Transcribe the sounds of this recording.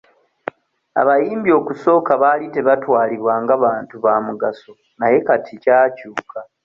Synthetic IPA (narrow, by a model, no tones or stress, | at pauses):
a̰βajiːmbio̞ːkuso̞ːkaβalite̞βatwaːliβwaːŋɡaβaːntuβamuɡaso | naje̞katʰicaːcuːkʰa